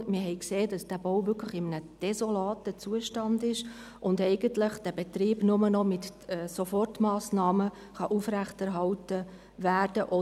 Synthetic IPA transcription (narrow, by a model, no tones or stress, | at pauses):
mɪɦɛɪkseːd̥ɑsd̥æːbowvʏkʰləχɪmənəd̥ɛsolɑːtət͡suːəʃtɑndɪʃ | ʔʊndɛɪɡ̥əntləχd̥æb̥ɛtɾiːb̥nʊmənɔmɪtɛːsofɔrtmɑːsnɑːmə | χɑʔufɾæχtæɾɦɑltə | ʋæːrd̥əʔɔ